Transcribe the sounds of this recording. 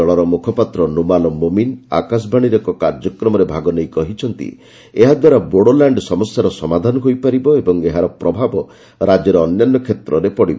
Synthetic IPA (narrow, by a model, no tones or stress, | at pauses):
ɔɭɔɾɔmukʰɔpat̪ɾɔnumalɔmomina̰kas̬bʱaɽ̃iɾekɔkaɾd͡ʒɔkɾɔmɔɾebʱaɡɔnejkɔɦit͡ʃʰɔnt̪ḭ | eɦad̪waɾaboɽolaɳɖsɔmɔsjaɾɔsɔmad̪ʱanɔɦojpaɾibɔebɔŋeɦaɾɔpɾɔbʱabɔ | ɾad͡ʒɔɾɔːnjanːɔkʰet̪ɾɔɾepɔɽibɔ